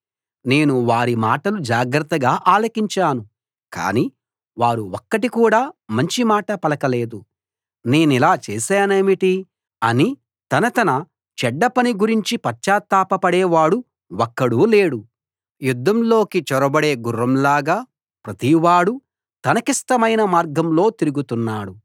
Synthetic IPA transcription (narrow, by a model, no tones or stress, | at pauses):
ne̞ːnuʋaːɾimaːʈɐlud͡ʒaːɡɾɐt̪ːɐɡaːʔaːlɐkiɲt͡ʃaːnu | ka̰ːni | ʋaːɾuwɔkːɐʈikuːɽaːmɐɲt͡ʃimaːʈɐpɐlɐkɐle̞ːd̪u | ne̞ːnilaːt͡ʃɛːsaːneːmiʈi | ɐni | t̪ɐnɐt̪ɐnɐ | t͡ʃɛɖːɐpɐniɡuɾiɲt͡ʃipɐt͡ʃaːt̪ːaːpɐpɐɽɛːʋaːɽu | wɔkːɐɽuːle̞ːɽu | jud̪ʱːɐmlo̞ːkit͡ʃɔɾɐbɐɽeːɡurːɐmlaːɡaː | pɾɐt̪iʋaːɽu | t̪ɐnɐkiʂʈɐmɐjnɐmaːɾɡɐmlo̞ːt̪iɾuɡut̪unːaːɽu